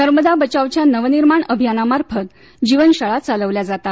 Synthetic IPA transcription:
nəɾməd̪abət͡ɕaʋt͡ɕjanəʋniɾmaɳəbʱijanamaɾpʰət̪ | d͡ʑiʋənɕaɭat͡saləʋljad͡zat̪a

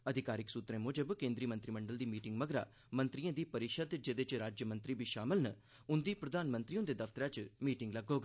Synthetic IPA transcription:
əd̪ʱɪkaːɾɪksuːt̪ɾẽːmoːd͡ʒəbkẽːnd̪ɾiːmə̃nt̪ɾiːməɳɖəld̪iːmiːʈɪŋɡməɡɾa̰ː | mə̃nt̪ɾijãːd̪iːpəɾɪʃəd̪d͡ʒed̪et͡ʃɾaːd͡ʒjəmə̃nt̪ɾiːbiːʃaːmɪlnə | ʊnd̪iːpɾəd̪ʱaːnmə̃nt̪ɾiõd̪eːd̪əfʰt̪əɾãːt͡ʃmiːʈɪŋɡləɡːoːɡaː

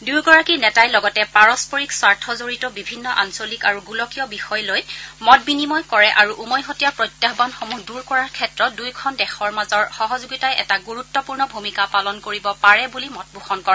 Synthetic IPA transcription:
duɹɡɔɹakinɛtajlɔɡɔtɛpaɹɔspɔɹikswaɹtʰɔzoɹitɔbibʱinːɔʔa̰nsolikaɹuɡulɔkijɔbixɔjlojmɔt̚binimɔjkɔɹɛʔaɹuʔumɔjɦɔtijapɹɔjtjaxbanxomuhduɹkɔɹaɹkʰɛtɹɔt̚dujkʰɔndɛxɔɹmazɔɹxɔɦɔzuɡitajʔɛ̰taɡuɹutːɔpuɹnɔbʱumikapalɔnkoɹibɔpaɹɛbulimɔt̚bʱuxɔnkɔɹɛ

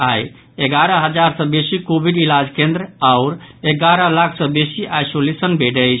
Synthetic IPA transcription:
aj | eɡaɾəɦəd͡ʒaɾsə̃besikobʱiɖilad͡ʒkẽnd̪ɾəaʊɾeɡaɾəlakʰsə̃besiʔajsolesənbʱeʈəjt͡ʃʰ

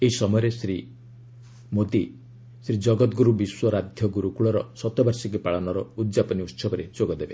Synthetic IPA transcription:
eɦisɔmɔjɔɾesɾi | mod̪i | sɾid͡ʒɔɡɔt̪ɡuɾubiswɔɾad̪ʱjɔɡuɾukuɭɔɾɔsɔt̪ɔbaɾsik̬ipaɭɔnɔɾɔud̪d͡ʒapɔniut̪sɔbɔɾed͡ʒoɡɔd̪ebe

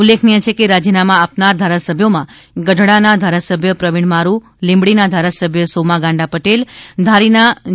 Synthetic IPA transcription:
ulːekʰnijet͡ʃʰekeɾad͡ʒənamãːpnaɾd̪ʱaɾasəbʱjomãɡəɖʱɽanad̪ʱaɾasəbʱjəpɾəʋiɳmaɾu | lĩmbɽinad̪ʱaɾasəbʱjəsomaɡãɳɖapəʈeld̪ʱaɾina

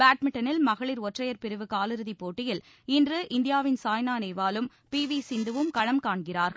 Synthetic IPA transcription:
baːʈmɪʈːɐnɪlmɐɣɐɭɪɾɔʈrɐjɐɾpɪɾɯʋɯkaːlɯɾɯðipːoːʈːɪjɪl | ɪndrɯʔɪnd̪ɪjaːʋɪnsaːjnaːnɐɪʋaːlɯm | piːʋisɪnd̪ɯʋɯmkɐɻɐmkaːɳɡɪraːɾɣɐɭ

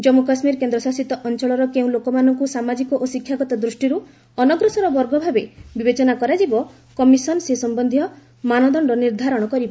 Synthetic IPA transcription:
d͡ʒɔmukasmiɾkend̪ɾɔsasit̪ɔʔɔnt͡ʃɔɭɔɾɔkeũlokɔmanɔŋkusamad͡ʒikɔʔosikʰːjaɡɔt̪ɔd̪ɾusʈiɾu | ɔnɔɡɾusɔɾɔbɔɾɡɔbʱabebibet͡ʃɔnakɔɾad͡ʒibɔ | kɔmisɔnɔsesɔmbɔnd̪ʱijɔ | manɔd̪ɔɳɾɔniɾd̪ʱaɾɔɽ̃ɔkɔɾibɔ

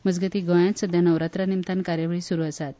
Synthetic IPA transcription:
məd͡zɡət̪iːɡə̃jãt̪səd̪ʱjanəʋɾat̪ɾanimt̪ankaɾjəʋəɭiːsuɾuːəsat̪̚

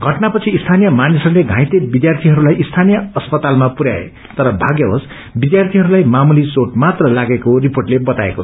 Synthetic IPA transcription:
ɡʱʌʈnapʌt͡sʰiːst̪ʰanijʌmanisʌɾuleɡʱãj̃t̪ebid̪jart̪ʰiɦʌɾulajist̪ʰanijʌʌspʌt̪almapuɾja̰ḛ | t̪ʌɾʌbʱaɡjʌɦos | bid̪jart̪ʰiɦʌɾulajmamulisoʈmat̪rʌlaɡekoriporʈlebʌt̪aḛko̥

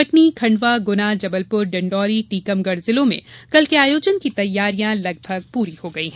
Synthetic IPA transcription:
pɐʈnikʰɐ̃ɳɖʋaɡʊnad͡ʒɐbəlpʊɾɖɐ̃ɳɖɔːɾiʈiːkəmɡɐɾzɪlõmḛ̃kɐlkeaːjoːd͡ʒənkit̪ɐjːaːɾijãlɐɡ̚bʱɐɡ̚puːɾihoɡɐiɦɛ̃

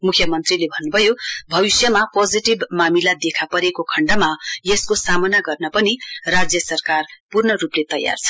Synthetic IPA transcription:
mukʰjʌmʌnt̪rilebʱʌnːubʱʌjobʱʌβisjʌmapod͡ziʈibmamilad̪ekʰapʌɾekokʰʌɳɖamajeskosamʌnaɡʌrnʌpʌnirad͡zjʌsʌrkarpurnʌruplet̪ʌja̰rt͡sʰʌ̥

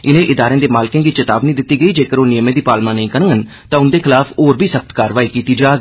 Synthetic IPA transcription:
ɪnẽːʔɪd̪aːɾẽːd̪eːmaːlɪkẽːɡiːt͡ʃət̪aːbniːd̪ɪt̪ːiːɡəiːd͡ʒeːkəɾoːnɪjəmẽːd̪iːpaːlmãːnəĩːkəɾŋɡən | t̪ãːʊnd̪eːkʰɪlaːpʰoːɾbʱiːsək̚t̪kaːɾʋaːiːkiːt̪iːd͡ʒaːɡ

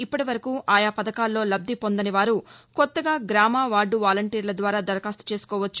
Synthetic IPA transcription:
ipːɐʈiʋɐɾɐkuːʔaːjaːpɐd̪ɐkaːlːo̞ːlɐb̚d̪ʱipo̞nd̪ɐniʋaːɾukɔt̪ːɐɡaːɡɾaːmaːʋaːɖːuʋaːlɐɳʈiːɾlɐd̪ʋaːɾaːd̪ɐɾɐkaːst̪u̥t͡ʃe̞ːsu̥kɔːʋɐt͡ʃːu̥

